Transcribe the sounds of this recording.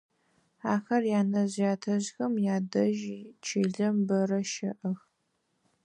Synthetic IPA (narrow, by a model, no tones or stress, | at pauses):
aːxɐrjaːnɐzjaːtʰɐʑxɐmjaːdɐʒit͡ʃʰiːɮɐmbɐrɐʃɐʔɐx